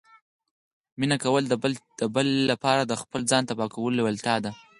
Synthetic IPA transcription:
minakawəld̪̥əbəlːapɑɾad̪əxpəlzd͡zɑnt̪abɑkawəlolewalt̪jɑd̪a

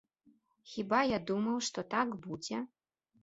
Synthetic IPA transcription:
xʲibajad̪umɐwʂt̪ɔt̪akbud͡zʲɛ

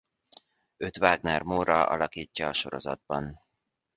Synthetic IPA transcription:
ø̞t̪ʋaːɡnɛrmoːɾɒɒ̰lɒkiːcːɒːʃo̞ɾo̞̰zɒd̪̚bɒn

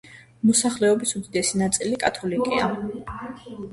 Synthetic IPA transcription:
mɔsaχlɛɔbisud̪id̪ɛsinat̪sʼilikʼat̪ʰɔlikʼḭa̰

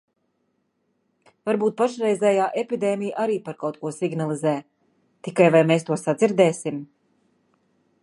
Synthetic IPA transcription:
vaɾbuːt̪̚paʃɾɛjzɛːjaːʔepid̪eːmijʔaɾiːpaɾkawt̪̚kuɔsiɡnalˠizɛː | t̪ikajvajmeːst̪uɔsad̪ziɾd̪ɛːsim

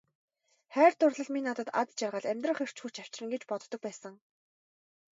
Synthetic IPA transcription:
χæːrt̪ʊrɮə̆ɮmiːnat̪ə̆t̪a̰t̪t͡ɕarʁə̆ɮæmʲt̪rə̆χer̥t͡ɕxut͡ɕaw̥t͡ɕ̆rə̆ŋɡet͡ɕpɔt̪ːɞ̆k̚pæːsə̆ŋ

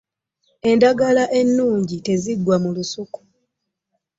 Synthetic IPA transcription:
e̞ndaɡalaʔe̞nːuːɲɟite̞ziɡwamulusuku̥

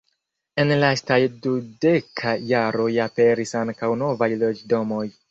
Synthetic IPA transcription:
e̞nlastajdude̞kʰaːaɾo̞jape̞ɾisaŋkawno̞vajlo̞d͡ʒdo̞mo̞j

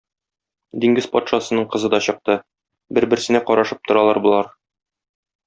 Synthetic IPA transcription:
d̪iŋɡɘzpɒt̪ʃɑsɤ̆nɤɴqɤ̆zɤd̪ɒɕɤ̆q̚t̪ɤ | bɘɾbɘ̆ɾsɘ̆næqɒɾɑʃɤp̚t̪ŏɾɑlˠɑɾbulˠɑɾ

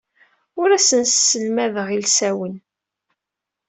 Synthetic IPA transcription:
ʊɾæsənssːəlmæðəʁilsæwən

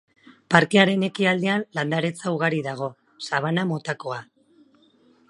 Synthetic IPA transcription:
paɾkeaɾe̞ne̞kiald̪e̞anland̪aɾe̞t͡sauɣ̞aɾiðaɣ̞o̞ | saβ̞anamo̞t̪ako̞a

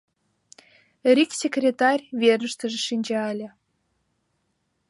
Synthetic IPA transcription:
rʲiksʲekrʲet̪ɑrʲβernə̆ʃt̪ə̆ʒĕʃinʲd͡ʑɑəlʲĕ

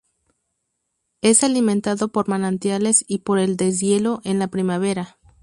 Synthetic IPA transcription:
e̞salimẽnt̪aðo̞po̞ɾmanãnt̪jale̞sipo̞ɾeld̪e̞z̬je̞lo̞ʔe̞nlapɾimaβ̞e̞ɾa

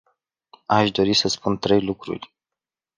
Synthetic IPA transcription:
aʃd̪o̞ɾisəspunt̪ɾe̞jlukɾṵrʲ

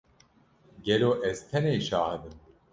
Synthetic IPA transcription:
ɡɛloːʔɛzt̪ʰɛneːʃaːhɨd̪ɨm

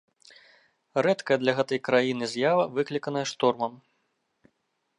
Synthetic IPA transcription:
ɾɛt̪kɐjɐd̪lʲɐɣɛt̪ɐjkɾajinɨzʲjavɐvɨklʲikɐnɐjɐʂt̪ɔrmɐm

